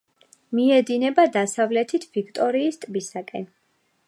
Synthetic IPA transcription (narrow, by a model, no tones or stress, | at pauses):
miɛd̪inɛbad̪asavlɛt̪ʰit̪ʰv̥ikʰt̪ʼɔɾiːst̪ʼbisakʼɛ̰n